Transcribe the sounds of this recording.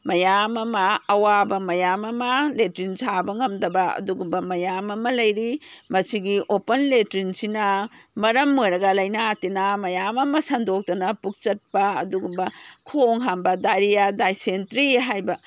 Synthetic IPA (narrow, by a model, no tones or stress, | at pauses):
mɐjamɐmɐːwabɐmɐjamɐmɐletɾinsʰabɐŋɐmdɐbɐɐ̰duɡumbɐmɐjamɐmɐlɐjɾimɐsiɡiʔopɐnletɾinsinɐmɐɾɐmːojɾɐɡɐlɐjnatenɐmɐjamɐmɐsɐndok̚tɐnɐpuk̚t͡ʃɐt̚pɐːduɡumbɐkʰoŋɦambɐdaɾijadajsentɾiɦajbɐ